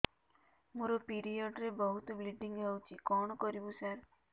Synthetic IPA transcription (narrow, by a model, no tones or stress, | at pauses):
muɾɔpiɾijɔɖɾebɔɦut̪ɔbliɖiŋɡawt͡ʃʰikɔɳ̃ɔkɔɾibusaɾ